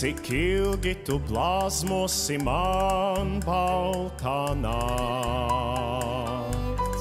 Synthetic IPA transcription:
ikʰilˠɡit̪uɡlˠazmuɔsimanbawt̪ana

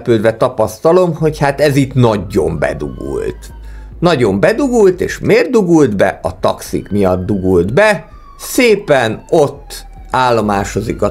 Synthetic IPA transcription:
pøːd̪vɛt̪ɒpɒst̪ɒlo̞mho̞chaːt̪ɛzit̪nɒɟːo̞mbɛ̰d̪ṵɡṵlt̪ | nɒɟo̞mbɛd̪uɡult̪ḛːʃmeːrd̪uɡuld̪bɛ̰ʔɒt̪ɒksḭkmijɒd̪ːuɡuld̪bɛ | seːpɛno̞t̪ː | aːlːo̞maːʃo̞zikɒ

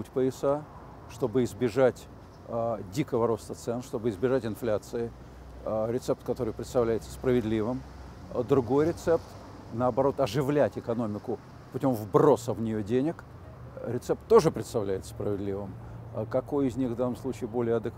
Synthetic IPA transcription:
utʲpəɪsa | ʂt̪o̞bɨɪzbʲɪʐatʲ | dʲikəvəɾo̞st̪ət̪sɛnʂt̪o̞bɨɪzbʲɪʐatʲɪnflʲat̪sɨɪ | ɾʲɪt̪sɛpt̪kɐt̪o̞ɾɨjpɾʲɪt̪st̪ɐvlʲæjɪt̪sə̥spɾəvʲɪd̪lʲivɨm | d̪ɾʊɡo̞jɾʲɪt̪sɛpt̪ | nəɐbɐɾo̞t̪ɐʐɨvlʲætʲɪkɐno̞mʲɪkʊ | pʊtʲo̞mvbro̞səvnʲɪjo̞dʲenʲɪk | ɾʲɪt̪sɛp̚t̪ːo̞ʐɨpɾʲɪt̪st̪ɐvlʲæjɪt̪sə̥spɾəvʲɪd̪lʲivɨmkɐko̞jɪzʲnʲixvd̪anːəmslˠut͡ɕɪːbo̞lʲɪjəɐd̪ɨk

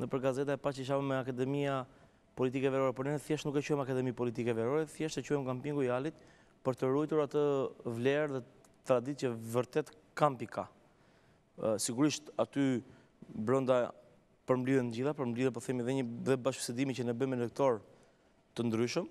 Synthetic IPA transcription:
nəpəɾɡazɛt̪̬aɛpat͡ʃəʃ̬avəmɛakad̪ɛmia | pɔlit̪̬ikɛvɛɾɔɾɛpɔɾnɛnəθjɛʃt̪nukɛt͡ɕuhɛmakad̪ɛmipɔlit̪ikɛvɛɾɔɾɛθjɛʃt̪ɛt͡ɕuhɛmkampiŋɡujalit̪ | pəɾt̪əɾujt̪uɾat̪əvlɛɾðɛ | t̪ɾad̪iəvəɾt̪ɛt̪ | kampikʰa | siɡuɾiʃt̪at̪y | bɾɔnd̪a | pəɾmblyðɛnd͡ʑiθapəɾmbliðɛpɔθɛmiðɛɲəðɛbaʃfsɛd̪imit͡ɕənɛbəmɛlək̚t̪ɔɾ | t̪ənd̪ɾyʃəm

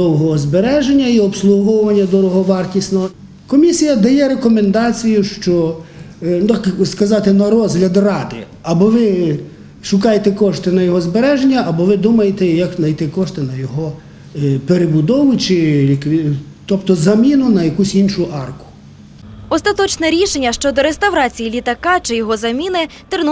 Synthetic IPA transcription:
d̪ɔwɦɔɦɔzbeɾɛʒenʲːɐiɔpslˠuɦɔwʋɐnʲːɐd̪ɔɾɔɦɔʋɑrtʲisʲnɔɦɔ | kɔmʲisʲijɐd̪ɐjɛɾekɔmend̪ɑt͡sʲijʊʃt͡ʃɔ | t̪akskɐzɑt̪ɪnɐɾɔzɦlʲɐd̪rɑd̪ɪ̰ | ɐbɔʋɪ | ʃʊkɑjet̪ɛkɔʃt̪ɪnɐjɔɦɔzbeɾɛʒenʲːɐʔɐbɔʋɪd̪umɐjet̪ɛjɐknɐjt̪ɪkɔʃt̪ɪnɐjɔɦɔ | peɾebʊd̪ɔʋʊt͡ʃɪlʲikʋʲit̪ɔpt̪ɔzɐmʲinʊnɐjɐkusʲinʃʊʔɑrkʊ̥ | ɔst̪ɐt̪ɔt͡ʃnɛɾʲiʃenʲːɐʃt͡ʃɔd̪ɔɾest̪ɐwɾɑt͡sʲijilʲit̪ɐkɑt͡ʃɪjɔɦɔzɐmʲinɪt̪ɪrn

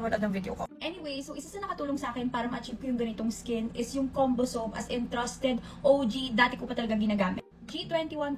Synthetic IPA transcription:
mɐnɐd̪ɐŋvid̪jo̰koʔɛniwejsowʔɪsɐsɐnɐkɐt̪uːloŋsɐʔaːkɛnpaːɾɐmɐʔɐt͡ʃiv̚kojʊŋɡɐnɪt̪oŋskɪnʔɪsjʊŋkombosomʔɐ̰sɪnt̪ɾɐst̪ɛd̪ | ʔowd͡ʒid̪aːt̪ɛkopɐt̪ɐlɐɡɐŋɡɪnaːɡaːmɛt̪kit̪wɛnt̪iwɐn

